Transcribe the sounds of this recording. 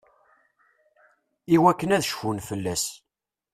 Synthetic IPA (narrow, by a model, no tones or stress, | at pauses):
iwækːənæðʃfunfəlːæs